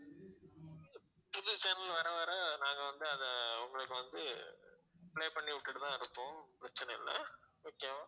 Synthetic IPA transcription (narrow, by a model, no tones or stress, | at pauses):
pʊðʊt͡ʃɐːnɐlʋɐɾɐʋɐːɾɐnaːŋɡɐʋɐnd̪ɯɐðɛʊŋɡɐɭɯkːɯʋɐnd̪ɯ | pɭeːpɐɳːiʋʊʈːɪɽɯt̪ãːɪɾɯpːõːpɾɐt͡ʃːɐnɛɪ̰lːɐ̰ | oːkːej